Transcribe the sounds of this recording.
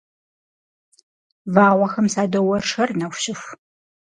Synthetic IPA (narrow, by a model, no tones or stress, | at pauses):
vaːʁʷɐxɐmsaːdɐwɐrʂɐrnɐxʷɕɪx